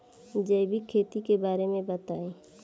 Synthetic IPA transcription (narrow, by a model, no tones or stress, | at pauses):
d͡ʒəjbikʰːeːt̪ikebaːɾemẽbɐt̪aːeː